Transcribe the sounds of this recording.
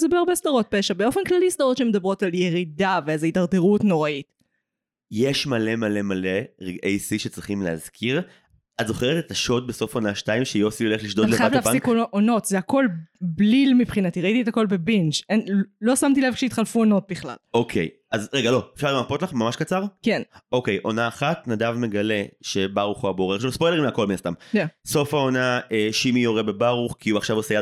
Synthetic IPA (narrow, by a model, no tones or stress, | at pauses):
zebeaʁbesd̪aʁo̞t̪̚peʃabeo̞fenklalisd̪aʁo̞tʃeme̞d̪abʁo̞talje̞ʁidaveazeitaʁdeʁutno̞ʁait | jeʃmale̞male̞maleʁeɡejsiʃet͡sʁiχimleaz̥kʰiʁ | azo̞χeʁet̪et̪aʃo̞d̪̚beso̞fonaʃtaimʃejo̞siole̞χliʃd̪odleaaflaikoʔono̞tzeako̞lblilmipχinat̪iʁait̪ietako̞lbe̞bind͡ʒenlo̞samt̪̬ilevkʃejit̪χalfuono̞t̪̚biχla̰lokʰḛj | azʁeɡalo̞efʃaʁleapo̞tlaχmamaʃkat͡saʁkeno̞ke̞jʔo̞naːχatnad̪avme̞ɡale̞ʃe̞baʁuχoaboʁeʃlospo̞jdeimako̞lminast̪amso̞faonaeʃimijoʁebe̞baʁuχkʰiuaχʃavoseja